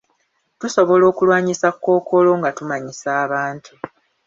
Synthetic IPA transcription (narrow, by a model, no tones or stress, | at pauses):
tuso̞βo̞lo̞ːkulwaːɲisakːo̞ːkʰo̞lo̞ŋɡatumaɲisaːβaːntʰu